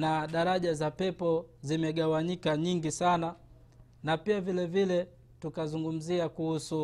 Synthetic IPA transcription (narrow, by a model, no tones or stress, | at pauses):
naɗaɾaʄazapɛpɔzimɛɠawaɲikaɲiŋɡisana | napiavilɛvilɛ | tukazuŋɡum̩ziakuhusu